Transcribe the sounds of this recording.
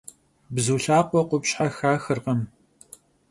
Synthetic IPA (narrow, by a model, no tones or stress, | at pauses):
bzuːɬaːqʷɔqʷʊpɕħaxaːxɨrqɐm